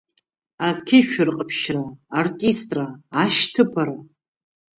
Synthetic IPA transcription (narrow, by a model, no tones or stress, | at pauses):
akʲʰɪʃᶣʊrqʼəpʰʃraːrtʼistʼraːʃtʰɨpʰaɾa